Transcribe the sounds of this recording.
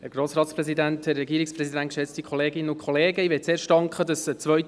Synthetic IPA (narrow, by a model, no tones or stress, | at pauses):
hɛɾɡɾoːsɾɑːtspɾɛzidænthɛrːɛɡiːɾɪksprɛsidænt̚kʃɛt͡stikʰχɔleːɡɪnːənʊkχɔleːɡəiʋɛt̚t͡seːɾʃtɑŋkχədɑsət͡sʋœɥ